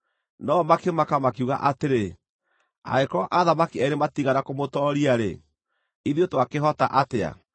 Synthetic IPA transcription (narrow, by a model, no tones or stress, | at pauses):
nɔmakemakamakiuɣa̰ʔateɾe | a̰ekɔʔaðamakiɛɾematiɣanakomotɔɾiaɾḛ | iðiotoakeɦɔtaʔatea̰